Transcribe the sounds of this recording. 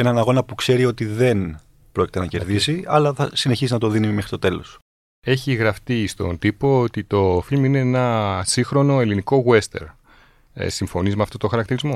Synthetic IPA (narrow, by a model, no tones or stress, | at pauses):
enɐnɐɣo̞nɐpukse̞ɾio̞t̪iðe̞n | pɾoci̥t̪enɐce̞ɾðisiɐlɐθɐsine̞çisinɐt̪oðinimexɾit̪ot̪e̞lo̞̰s | e̞çiɣɾɐft̪ist̪o̞̰nt̪ipo̞ot̪it̪o̞filmine̞enɐsixɾo̞no̞eliniko̞ɣwe̞st̪e̞̰ɾ̰ | siɱfo̞nizmeɐft̪ot̪oxɐɾɐk̚t̪iɾizmo̞